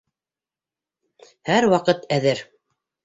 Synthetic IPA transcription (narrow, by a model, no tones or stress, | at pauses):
hæɾwɑqɤt̪æðɘɾ